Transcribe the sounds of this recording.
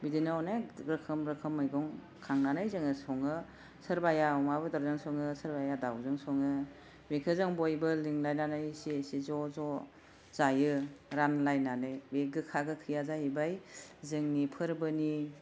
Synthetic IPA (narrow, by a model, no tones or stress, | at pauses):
bidinanaɾɯkʰɯmɾɯkʰɯmɯjɡɔŋ | kʰaŋnanajzɯŋɯsɔŋɯ | sɯɾbajaɔmabɯdaɾzɯŋsɔŋɯsɯɾbajadawzɯŋsɔŋɯ | mekʰɯzɯŋbojbɯliŋlajnanajsisizɔzɔ | zajɯɾanlajnanɯjbeɡɯkʰaɡɯkʰɯjazaɦibajzɯŋnipʰɯɾbɯni